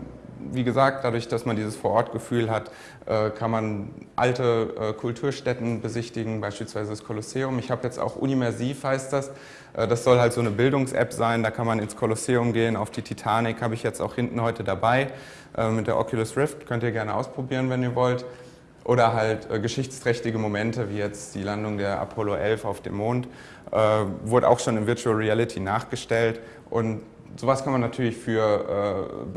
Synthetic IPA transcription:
viːɡəzaːk̚t̚d̥adʊɐçd̥asmandiːzəsfoːɐʔɔɐt̚ɡ̥əfyːlɦat | ʔɛːkʰanmanʔa̰ltəʔɛːkʰʊltʰuːɐʃtɛtn̩bəzɪçtɪɡŋ̩baɪʃpiːlsv̥aɪzədaskʰoloseːʊmɪçhaːbəjɛt͡sta̰ʊxʔṵnivɛɐziːfhaɪst̚d̥as | ʔɛːdasz̥ɔlɦaltz̥oːnəbɪldʊŋsʔɛ̰pz̥aɪndaːkʰanmanɪnskʰoloseːʊmɡeːənaʊfd̥iːtʰitʰaːnɪkhaːbəɪçjɛt͡sta̰ʊxhɪntn̩hɔʏtədabaɪ | ʔɛːmmɪt̚d̥eːɐʔɔ̰kʰjulʊsʁɪftkʰœntiːɐɡɛɐnəʔaʊspʁ̥obiːʁ̞ənvɛniːɐvɔlt | ʔoːɾɐɦaltʔɛːɡəʃɪçt͡stʁ̥ɛçtɪɡəmomɛntəviːjɛt͡std̥iːlandʊŋdeːɐʔa̰pʰɔloʔɛlfaʊfd̥ḛːmːoːnt | ʔɛːvʊɐdəʔa̰ʊxʃoːnɪmvɪɐtʰuɛlʁiɛlɪtʰinaːχɡ̥əʃtɛlt | ʔʊnt | z̥oːvaskʰanmanːatʰyːɐlɪçfyːɐʔɛː

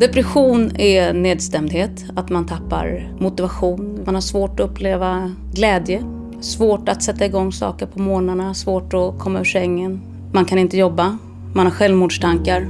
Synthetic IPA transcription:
d̪ɛpɾɛɧuːnɛnːeːd̪st̪ɛmd̪heːt̪ | at̪mant̪ʰapːa̰ɾ | mʊt̪ɪvaɧuːnmanhaʂvoːʈɔɵpːleːva | ɡlɛːd̪jə | svoːʈat̪sɛt̪ːaɪɡɔŋːsɑ̰ːkəɾpʰɔmoːnaɳasvoːʈɔkʰɔmːaɵʂɛŋːən | mankʰanɪnt̪əjɔbːa | manhaɾɧɛlvmuːɖʂt̪ʰaŋkaɾ

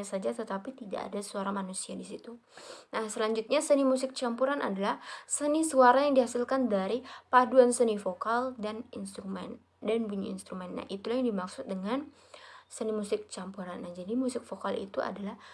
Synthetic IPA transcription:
asad͡ʒat̪ət̪apit̪ida̰a̰dasuaɾamanusiadisit̪u | nahsəlaɲd͡ʒut̪̚ɲasənimus̬ɪk̚t͡ʃampuɾanʔa̰dalahsənisuaɾajaŋdihasɪlkandaɾipaduansənifokaldaninst̪ɾumɛn | danbuɲaḭnst̪ɾumɛnːa̰hit̪ulahjaŋdimaksʊt̪̚dəŋan | sənimusɪk̚t͡ʃampuɾanːahd͡ʒadimusɪk̚fokalḭt̪uʔa̰dalah

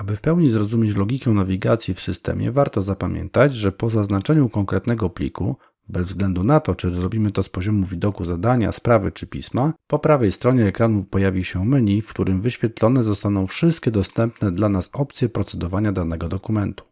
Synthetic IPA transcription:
abɘfpɛwɲizɾɔzumʲjet͡ɕlɔɡʲikɛnavʲiɡat̪sʲjifsɘst̪ɛ̰mʲjɛ̰vaɾt̪ɔzapamʲjɛ̰nt̪ad͡ʑʐɛpɔzaznat͡ʂɛɲukɔŋkɾɛt̪nɛɡɔplʲḭkʰṵ | bɛzvzɡlɛnd̪unat̪ɔt͡ʂɘzɾɔbʲimɘt̪ɔspɔʑɔmuvʲid̪ɔkuzad̪aɲa̰spɾavɘt͡ʂɘpʲḭsmapɔpɾavɛjst̪ɾɔɲɛːkɾanupɔjavʲiɕɛmɘɲifkt̪uɾɘmvɘɕfʲjɛt̪lɔnɛzɔst̪anɔ̃w̃fʂɘst̪kʲɛd̪ɔst̪ɛmpnɛd̪lanasɔpt̪sʲjɛpɾɔt̪sɛd̪ɔvaɲad̪anɛɡɔd̪ɔkumɛnt̪u̥

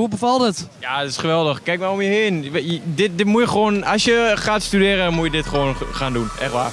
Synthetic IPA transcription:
ubəfɔlˠdətjadtɪsχəʋɛlˠdəxkɛjkmajomjəheːnʋdɪt̚dɪmujəxʋoːnɔsjəxaːtstydɪːɾədɔnmujədɪtχəoənxaːndunʔɛ̰xʋa̰ː

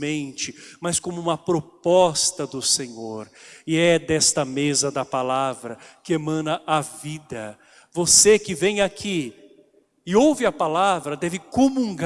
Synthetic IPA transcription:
ẽnt͡ʃɪmɐskõmʊũmɐpɾopɔst̪ɐd̪ʊsẽɲoɾɪɛd̪ɛst̪ɐmezɐd̪ɐpalavɾɐkɪemɐ̃nɐʔavid̪ɐ | vosekɪvẽj̃akʰi | ɪowvɪɐpalavɾɐd̪ɛvɪkomũŋɡ

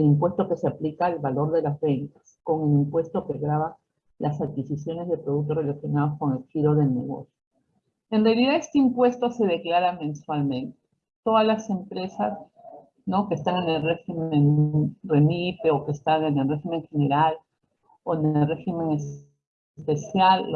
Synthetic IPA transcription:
elimpwe̞st̪o̞ke̞seaplikaelβalo̞ɾðe̞lazβe̞nt̪ḁsko̞ŋe̞limpwe̞st̪o̞ke̞ɣɾaβa | lʔasat̚kisisjo̞ne̞zðe̞pɾo̞ð̞uk̚t̪o̞re̞lasjo̞naðo̞sko̞ŋe̞lxiɾo̞ðe̞lne̞̰ɣo̞̰sjo | enrealiðae̞st̪eimpwe̞st̪o̞se̞ð̞e̞klaɾamẽ̞nswalmẽ̞nt̪e̥ | t̪o̞ðazlase̞mpɾe̞sas | no̞kest̪aŋe̞nelreximenuremipeo̞kest̪aŋenelreximẽ̞ŋxe̞ne̞ɾal | oenelrexime̞ŋe | spe̞sjal

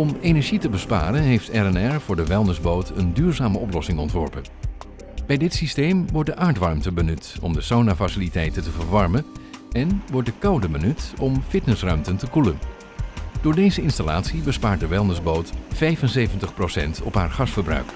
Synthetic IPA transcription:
ɔmenɛɹʒitəbəspa̰ːrənɦejftɛrɛnɛɹvʊːɹdəʋɛlˠnəzbowtəndyːɹzaːməɔplɔsɪŋɔ̰ntʋɔɹpən | b̥ɛjdɪtsistejmʋɔɹt̚dəʔaːɹtʋɑɹmtəbənʉtɔ̰mdəsownafasilitɛjtəntəvəɹʋɑɹmənɛnʋɔɹtdəkɑwdəbənytɔmfɪtnəsrœɥmtəntəkulən | d̥ʊːɹdejzəɪnstala̰ːtsibəspaːɹt̚dəʋɛlˠnəzbowtfɛjvənsejvəntəχprowsɛ̰ntɔ̰pɦaːɹχɑsfəɹbrœ̰ɥk

